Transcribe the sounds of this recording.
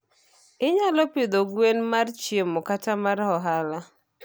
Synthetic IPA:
ɪɲalɔpɪd̪oɡwenmart͡ʃjemɔkatamaɾhɔɦala

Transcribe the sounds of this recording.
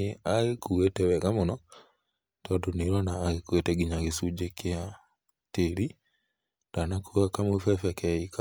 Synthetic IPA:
eaɣekuɣetɛwɛɣamonɔ | tɔtoniɾwanaːɣekuetɛɡiɲaɣesud͡ʒekɪa | teɾi | d̥anakuɣakamufɛfɛkɛika

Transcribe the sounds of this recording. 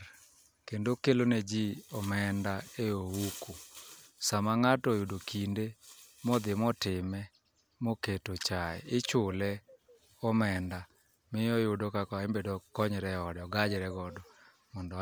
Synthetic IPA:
kendokeloned͡ʒiɔmɛndaeoukusamaŋatɔjʊdokindemɔd̪ɪmɔtɪmɛ | moketot͡ʃaɛ̰ɪt͡ʃʊlɛ | ɔmɛnda | mɪɔjʊdokakɔaembedokɔɲɾɛɔdɛɔɡad͡ʒɛɾɛɡɔdɔ | mɔndɔ

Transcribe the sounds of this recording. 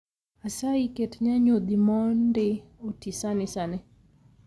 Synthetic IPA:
asaiketɲaɲod̪imɔndɪotisanɪsanɪ

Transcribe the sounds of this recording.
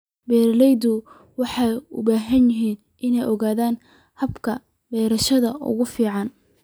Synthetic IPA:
bɛːɾɐlɛjd̪ʊ | wɑħɑjʊ̰baːɦɐnjɪɦiːn | ʔɪnɛjʔɔɣaːðaːn | hɐbkʰɐ | bɛːɾɐʃɐðɐʔʊ̰ɣʊfiːʕɑn

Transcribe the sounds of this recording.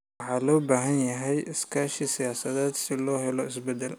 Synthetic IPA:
ħɑːlɔːbaːɦɐnjɐɦɛjʔɪskʰaːʃisɪjaːsɐðɛːd̪sɪlɔːɦɛlɔɪsbɛd̪ɛl

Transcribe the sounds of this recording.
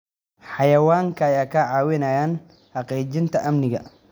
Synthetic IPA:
ħɑjɐwaːŋkʰɐːjaːkʰɐʕɑːwɪnɐjaːn | ħɑqɛːt͡ʃɪnt̪ʰɐʔɐmnɪɣɐ

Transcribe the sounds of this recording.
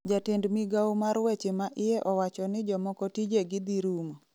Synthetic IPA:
d͡ʒatendmiɡawmaɾwɛt͡ʃemaʔɪɛʔɔwat͡ʃɔnɪd͡ʒɔmɔkɔtid͡ʒeɡɪd̪iɾumo

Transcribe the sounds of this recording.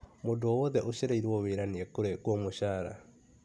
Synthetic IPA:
mondoɔwɔðɛʔoɕeɾaiɾwɔweɾaneɛkoɾekwɔmoɕaːɾa̰

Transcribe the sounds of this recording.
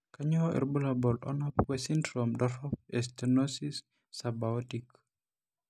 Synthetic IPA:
kaɲɔʔɛ̰ɾbulabɔlɔ̰nɔpwɛsindɾomdɔɾɔpɛstɛnosisː | abaɔtik

